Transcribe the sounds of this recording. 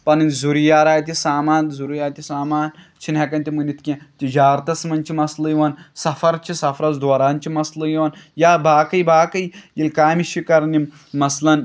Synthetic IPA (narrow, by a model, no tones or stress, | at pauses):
pɐnɨnzuɾijaːɾaːjt̪isaːmaːnzuɾjaːt̪isaːmaːn | t͡ʃʰinʲɐkɐnʲt̪ʲimɨnit̪kʲẽt̪id͡ʒaːɾt̪ɐsmɐnt͡ʃʰimɐslɨjiʋansɐfɐɾt͡ʃisɐfɾɐt͡sd̪ʋɐɾaːnt͡ʃimɐslɨjiʋaːnjaːbaːkɐjbaːkɐjjilkaːmiʃikɐɾnim | mɐslɐn